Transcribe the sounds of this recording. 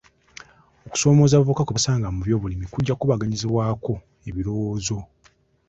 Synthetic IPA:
o̞ku̥so̞ːmo̞zaβuvukakuβasaːŋɡamuβjo̞ːβulimikuɟːakuβaɡaɲiziβwaːko̞ | e̞βilo̞woːzo̞

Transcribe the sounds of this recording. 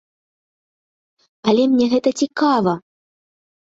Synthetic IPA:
ɐlʲɛmnʲɛɣɛt̪ɐt͡sʲikavɐ

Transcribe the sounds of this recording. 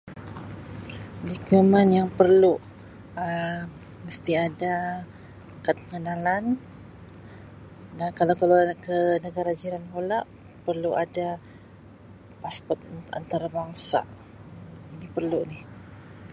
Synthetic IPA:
dikumanjaŋpərlu | ə | məst̪iada | kat̪̚pəŋənalan | dankalakalakənəɡaɾad͡ʒiɾanɦolaʔ | pərluʔada | paspɔt̪̚a̰nt̪aɾabaŋsa̰ | inipərluʔnih

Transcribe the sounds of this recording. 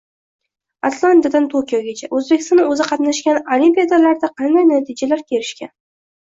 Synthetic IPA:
at̪lˠant̪ad̪ant̪ʰokʲijɒɡʲat͡ʃʰaʔɵzbekʲɪst̪nɪɵzɪqʰɑt̪naʃkʲanolimpʲijad̪alaɾd̪aqʰɑnd̪ajnat̪ʰɪd͡ʒalaɾkʲʰe̞ɾɪʃkʲan

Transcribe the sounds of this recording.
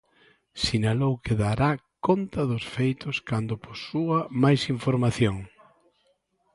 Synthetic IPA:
sinalowkɪðaɾakont̪ɐðʊsfejt̪ʊskand̪ʊposuɐmajsiɱfoɾmaθjoŋ

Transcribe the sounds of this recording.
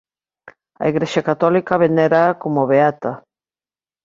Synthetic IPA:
a̰iɣɾeʃakat̪ɔlikaβeneɾakomoβeat̪a

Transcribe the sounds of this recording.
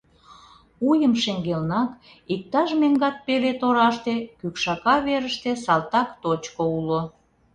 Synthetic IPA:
ujəmʃeŋɡelnɑk | ik̚t̪ɑʃmeŋɡɑt̪̚pelet̪oɾɑʃt̪ekykʃɑkɑβeɾəʃt̪esɑlt̪ɑkt̪ot͡ɕkoulo

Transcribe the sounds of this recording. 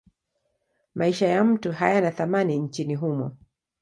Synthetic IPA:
maiʃajam̩tuɦajanaθamaniɲt͡ʃiniɦumɔ̰

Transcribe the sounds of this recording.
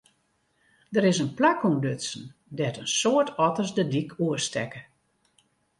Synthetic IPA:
dəɾɪsənplakuŋdøsən̩dɛtənsoətɔtəsdədikʰuəstɛkə

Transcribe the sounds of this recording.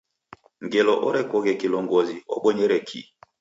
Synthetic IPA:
ŋɡelɔʔɔɾɛkɔɣɛkilɔŋɡɔziɔ̰ɓɔɲɛɾɛkʰḭ

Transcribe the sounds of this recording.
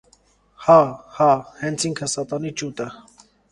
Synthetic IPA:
hɑhɑhɛnt͡sʰiŋkʰəsɑt̪ɑnit͡ʃut̪ə

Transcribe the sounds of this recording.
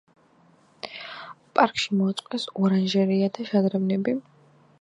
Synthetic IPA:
pʼaɾkʼʰʃimɔat̪sʼqʼɛsɔɾanʒɛɾiad̪aʃad̪ɾɛvnɛbi

